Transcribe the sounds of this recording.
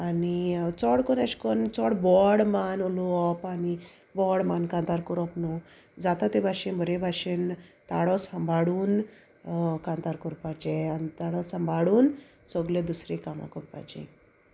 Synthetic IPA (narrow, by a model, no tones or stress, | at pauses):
anit͡sɔɽkɔnaɕkɔnt͡sɔɽbɔɽmanuluɔpani | bɔɽmankãnt̪aɾkuɾɔpnu | d͡zat̪at̪ebʱaʂenbʱəɾebʱaɕent̪aɽɔsəmbʱaɽuːn | kant̪aɾkuɾpad͡ʒeanit̪aɽɔsəmbʱaɽuːn | sɔɡled̪usɾekamã̰kuɾpa̰d͡ʒḛ̃